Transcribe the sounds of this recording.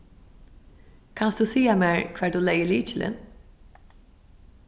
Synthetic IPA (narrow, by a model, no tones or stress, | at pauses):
kʰansd̪usiːameːɹkʰv̥ɛːd̪uːlɛjəɭiːt͡ʃɪlʔɪ̰n